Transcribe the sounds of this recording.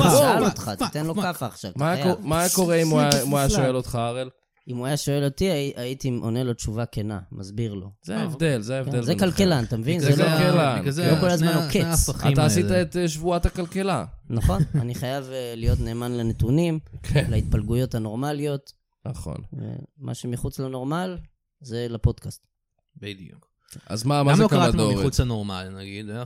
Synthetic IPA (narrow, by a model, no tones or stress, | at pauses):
oalot̪χat̪it̪enlokafaːχʃa̰vtaaomako̞ʁeimuaimuajaʃoelot̪χaaʁel | imuajaʃo̞elotiaʔaitiʔonelot͡ʃuvakena̰mazbiʁlo̞̰zeaevd̪elzeaevdezekalkelant̪amevinzellelalokolazmanoket͡sχitaːsitaet̪eʃvuat̪akalkelanaχo̞nnaniχajavelijo̞t̪ne̞ːmanlanet̪unimkʰelait̪̚palɡujo̞t̪hano̞ʁmalijo̞t̪ | naχo̰nḛmʔa̰ʃemiχut͡slano̞ʁmal | ze̞lapo̞d̪kast | bed̪uk | a̰zmamamlokaʁamomiʁut͡sanoʁmalnaɡid̪